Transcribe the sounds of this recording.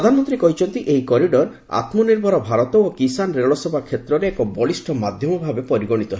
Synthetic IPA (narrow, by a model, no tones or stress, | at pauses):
ɾɔd̪ʱanɔmɔnt̪ɾikɔɦit͡ʃʰɔnt̪iʔeikɔɾiɖɔɾ | a̰t̪mɔniɾbʱɔɾɔbʱaɾɔt̪ɔokisanɾeɭɔsebʱakʰet̪ɾɔɾeekɔbɔɭisʈʰɔmad̪ʱjɔmɔbʱabepɔɾiɡɔɽ̃it̪ɔɦe